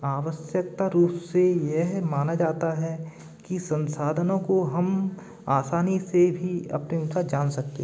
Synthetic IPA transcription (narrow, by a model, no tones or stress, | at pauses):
aːʋəsjək̚t̪aɾuːpsejɛɦmaːnad͡ʒaːt̪aɦɛ | kisɐ̃nsaːd̪ʱənõkoɦɐm | aːsaːnisebʱiɐ̰pneʊsaːd͡ʒaːnsɐkt̪ḛ